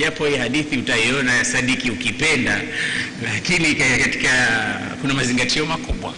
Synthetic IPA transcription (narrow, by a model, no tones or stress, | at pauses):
japɔhiɛhaɗiθiutaiɔnaasaɗikiukipɛnda | lakinikakati̥ka | kunamaziŋɡatiɔmakuɓwa̰